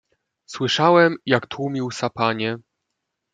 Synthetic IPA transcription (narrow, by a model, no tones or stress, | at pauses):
swɘʂawɛmjakt̪wumʲiwsapaɲɛ